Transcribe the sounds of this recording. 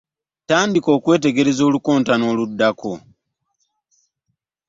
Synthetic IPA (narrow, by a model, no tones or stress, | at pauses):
taːndiko̞ːkwe̞ːt̬e̞ɡe̞ɾe̞zo̞ːluko̞ːntano̞ːludːako̞